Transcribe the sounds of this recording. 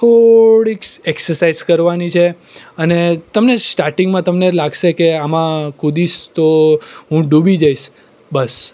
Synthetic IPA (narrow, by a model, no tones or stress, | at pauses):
t̪ʰoɽikseksəɾsaizkəɾʋanit͡ʃʰe | ənet̪əmnesʈaɾʈiŋɡmãt̪əmnelaɡʃekeamãkud̪iʃt̪oɦũɖubid͡ʒaiʃ | bəs